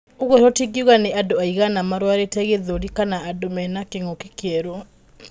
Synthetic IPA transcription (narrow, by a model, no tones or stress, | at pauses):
oɣɔɾɔtiɡiuɣaneʔadoaiɣanamaɾwaɾetɛɣeðoɾikanaːdomɛnakeŋokekeɛɾo